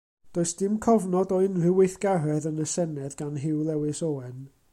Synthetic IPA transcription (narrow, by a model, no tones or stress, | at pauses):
d̥oːɨsd̥ɪmkʰɔvnɔdɔɪnrɪwɪθɡ̥arɛðənəsɛnɛðɡanɦɪwlˠɛwɨsoːɛn